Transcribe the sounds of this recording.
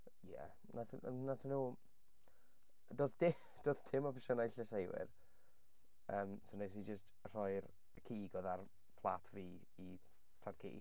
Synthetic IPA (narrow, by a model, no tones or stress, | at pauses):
jɛ̰ | natnatʰanuː | doːðdɪ | d̥oːðtʰɪmɔpɪʃɔnajɬɛsejwɪ̰r | əːmsɔnejs̬id͡ʒəst | r̥ɔjr | əkʰiːɡɔðar | pʰlˠatʰviː | i | tʰad̥kʰḭː